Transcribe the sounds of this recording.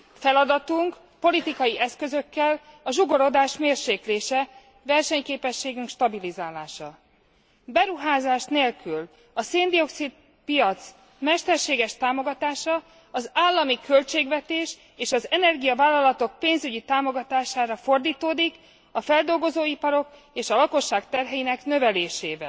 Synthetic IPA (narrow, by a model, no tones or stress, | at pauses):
fɛlɒd̪ɒt̪uŋk | po̞lit̪ikɒjiʔɛskø̞zø̞kːɛlɒʒoɡo̞ɾo̞d̪aːʃmeːrʃeːkleːʃɛ | vɛrʃɛɲkeːpɛʃːeːɡyŋkʃt̪ɒbilizaːlaːʃɒ̰ | bɛɾuɦaːzaːʃneːlkyl | ɒseːnd̪io̞ksit̪̚ | pijɒt̪s | mɛʃt̪ɛrʃeːɡɛʃt̪aːmo̞ɡɒt̪aːʃɒ | ɒzaːlːɒmikʰø̞lt͡ʃeːɡvɛt̪eːʃ | eːʃɒzɛnɛrɡijɒvaːlːɒlɒt̪o̞k̚peːnzyɟit̪aːmo̞ɡɒt̪aːʃaːɾɒfo̞rd̪iːt̪oːd̪ik | ɒfɛld̪o̞lɡo̞zoːipɒɾo̞k | eːʃɒlɒko̞ʃːaːkt̪ɛrɦɛjinɛknø̞vɛleːʃeːvɛ̰